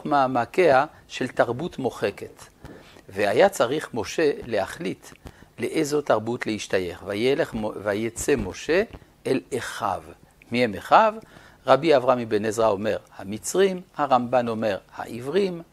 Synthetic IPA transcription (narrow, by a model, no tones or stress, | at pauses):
maːmakea | ʃe̞lt̪aʁbutmo̞χe̞ke̞t̪ | veajat͡saʁiχmo̞ʃe̞le̞haχlitleʔejzo̞taʁbutlehiʃtaje̞χvajeleχvajet͡semo̞ʃe̞ | eleχa̰v | mihemeχav | ʁabiavʁamibenezʁao̞me̞ʁhamit͡sʁimhaʁambano̞me̞ʁha̰ʔivʁim